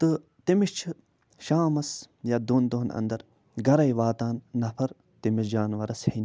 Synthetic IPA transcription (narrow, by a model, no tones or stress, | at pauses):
t̪ɨ | t̪imiʃt͡ʃʰɨ | ʃaːmɐsjad̪uːnd̪oɦnɐ̰nd̪ɐɾ | ɡɐɾɐjʋaːt̪aːnːɐpʰɐɾ | t̪imiʃd͡ʒaːnʋɐɾɐshin